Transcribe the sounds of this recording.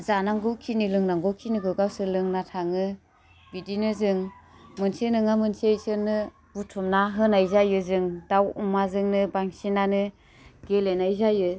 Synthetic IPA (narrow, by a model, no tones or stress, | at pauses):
zanaŋɡɔwkʰinilɯŋnaŋɡɔkʰiniɡɯɡawsɯlɯŋnatʰaŋɯ | bidinɯzɯŋmɯnsenɯŋamɯnsiejsɯnɯ | butʰumnaɦɯnajzajɯzɯŋdawumazɯŋnɯbaŋsinanɯ | ɡelenajzajɯ